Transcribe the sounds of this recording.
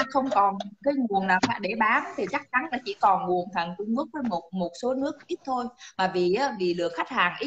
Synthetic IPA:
xə˧wŋ͡mkɔ˨˩nkaː˨˦jŋu˨˩ənnaː˨˩wxa̰ː˧˩ɗe˧˩ɓaː˨˦nt̪ʰi˨˩t͡ɕa˦˥k̚t͡ɕa˨˦nlaː˨˩t͡ɕḭ˧˥kɔ˨˩nŋu˨˩ənt̪ʰaː˨˩ŋt͡ɕʊ˧ŋ͡mkɨ˦˥ək̚vəː˨˦jmo˨˩t̚mo˨˩t̚so˨˦nɨ˦˥ək̚ʔi˦˥t̚t̪ʰo˧jmaː˨˩vi˨˩ʔaː˨˦vi˨˩lɨ̰˧˨əkxa˦˥jk̟̚haː˨˩ŋʔi˦˥

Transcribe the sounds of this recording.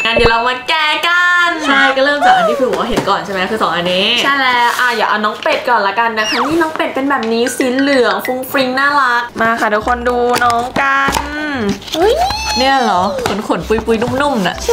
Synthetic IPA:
ŋaː˧ndi˨˩ɾa˧wma˧nkɛː˧ka˧na˥˧˩jkɔː˥˩ɾɤː˥˩˨mtaː˨˩ʔa˧nːiː˥kʰɯː˧˩bɔ˨˩wa˧˥ɦe˩˦nkɔː˨˩nt͡ɕʰa˦˥˩mɛ˦˥kʰɯː˧sɔː˨˩˦ŋʔa˧niː˦˥t͡ɕʰa˥˩jlɛː˦˥ʔaː˧˩jaː˨˩ʔa˧wnɔː˦˥ŋpe˨˩t̪̚kɔː˨˩nla˦˧˥ka˧nːa˧˦˥t̪ʰaː˧ŋmiː˥˩nɔː˦˥ŋpe˨˩t̪̚pe˧nbɛː˨˩p̚niː˦˥siː˨˩˦nlɯ˨˩˦əŋfu˧ŋfɾi˧ŋnaː˥˩ɾa˦˥k̚maː˧˩kʰa˧˩duː˧˩kʰo˧nduː˧nɔː˦˥ŋka˧nʔu˦˥jni˥˩ɐlɔ˨˩˦kʰo˨˩˦nkʰo˨˩˦npuː˧jpuː˧jnu˥˩mnu˥˩mna̰˧˩ʔ

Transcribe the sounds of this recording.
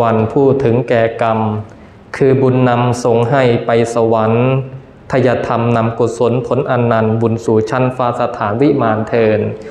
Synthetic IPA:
a˧npʰuː˥˩t̪ʰɯ˩˦ŋkɛː˨˩ka˧m | kʰɯː˧bu˧nːa˧mso˨˩ŋɦa˥˩jpa˧jsa˧wa˩˦n | t̪ʰa˧ja˧t̪ʰa˧mna˧mko˨˩t̪̚so˩˦npʰo˩˦nʔa˧nːa˧nbu˧nsuː˨˩t͡ɕʰa˦˧˥nfaː˧sa˧t̪ʰaː˩˦nwi˦˥maː˧nt̪ʰɤː˧n

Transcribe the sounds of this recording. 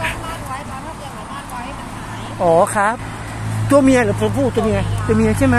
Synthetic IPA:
ʔɔː˨˩˦kʰa˦˥p̚ | t̪u˧ɐmi˧ɐlɯː˩˦pʰu˧pʰuː˥˩t̪u˧ɐmi˧ɐt̪u˧ɐmi˧ɐ˧t͡ɕʰa˥˩ma˦˥

